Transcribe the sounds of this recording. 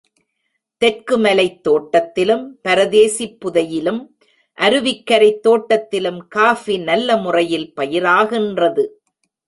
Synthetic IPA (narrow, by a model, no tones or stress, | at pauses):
t̪ɛrkɯmɐlɐɪt̪ːoːʈːɐt̪ːɪlɯmpɐɾɐðeːsipːʊðɐjɪlɯm | ʔɐɾɯʋɪkːɐɾɐɪt̪ːoːʈːɐt̪ːɪlɯmkaːfinɐlːɐmʊrɐjɪlpɐjɪɾaːɣɪndrɐðɯ